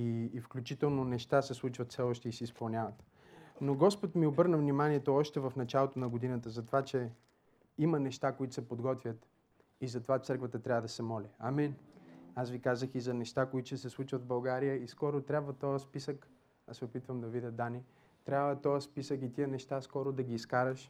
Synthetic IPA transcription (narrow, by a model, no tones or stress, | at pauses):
iːfklʲut͡ʃit̪ɛlˠnonɛʃt̪asɛslˠut͡ʃvɐt̪fsɛɔʃt̪ɛisɛispɐlˠnʲavət̪ | noɡɔspot̪miobɤɾnəvnimaniɛt̪oɔʃt̪ɛvɐfnɐt͡ʃalˠot̪onɐɡʊd̪inət̪əzɐt̪ovat͡ʃɛ | imɐnɛʃt̪akoit̪ʊ̥sɛpod̪ɡɔt̪vʲjət̪ | izɐt̪ovat̪sɤɾkvət̪ət̪ɾʲabvəd̪ɐsɛmɔlʲiɐminasvikazəxizɐnɛʃt̪akoit̪t͡ʃɛsɛslˠut͡ʃvəd̪vbɐlˠɡaɾijəiskɔɾʊt̪ɾʲabvɐt̪ɔəspisək | asɛopit̪vəmd̪ɐvid̪ʲəd̪anʲi | t̪ɾʲabvɐt̪ɔɐspisəkit̪iənɛʃt̪askɔɾʊd̪ɐɡʲiːskaɾəʃ